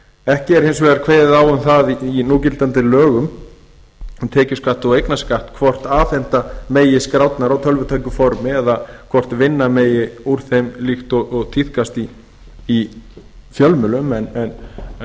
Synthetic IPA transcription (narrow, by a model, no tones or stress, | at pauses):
ɛhcɪɛɾhejns̬vɛːɣaɾkʰveːjðɪðaːwʏmθaðiinuːcɪlt̪ant̪ɪlœːɣʏm | ɛmt̪ʰɛːcʏskaht̪ɔwejknaskaht̪kʰvɔr̥t̪aːθɛn̥t̪ameːjɪskɾawt̪naɾawt̪ʰœlvʏt̪ʰajkʏfɔɾmɪɛðakʰvɔr̥t̪vɪnːameːjɪuɾ̥θejmlixt̪ɔɣɔɣt̪ʰiθkast̪iː | fjœlmʏlʏmɛnɛn